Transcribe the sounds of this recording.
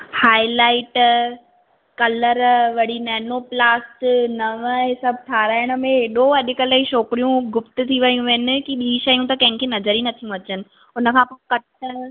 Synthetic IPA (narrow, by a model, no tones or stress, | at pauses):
haːɪlaːɪʈ | kɐləɾʋɐɽinɛːnoplaːsʈnɐʋəɦɪsɐbʱʈʰaːɾaːɪɽ̃ə̆mẽɦeɗoɐɗɪkəlaiʃoːkɪɾijũɡʊpt̪ʊ̆t̪ʰiʋɐjũʋɐɦɪnɪ̆kiɓiːĩʃɐjũt̪ɐkɐ̃ɦɪ̃kʰenɐzəɾinɐt̪ʰijũɐt͡ɕənɪ̆ | ʊnəkʰãːpoːkɐʈə